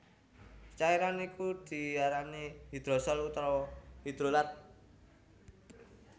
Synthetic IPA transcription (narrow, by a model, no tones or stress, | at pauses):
t͡ʃaiɾanikud̪̥i̤aɾaniɦid̪̥ɾɔ̤sɔlut̪ɾɔɦid̪̥ɾolat̪̚